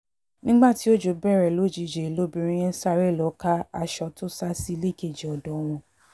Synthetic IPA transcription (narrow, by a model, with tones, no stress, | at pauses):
nĩ˦ɡ͡ba˦˨ti˨˦o˦d͡ʒo˧˦bɛ˦˨ɾɛ˨lo˨˦˨d͡ʒi˨˧˨d͡ʒe˨lo˦bi˧˦ɾ̃ĩ˦j̃ɛ̃˦sa˦˨ɾɛ˦˨lɔ˨˦ka˦a˧ʃɔ˧to˦sa˦si˦le˦˨ke˦˨d͡ʒe˨ɔ˨dɔ̃˨˦w̃ɔ̃˧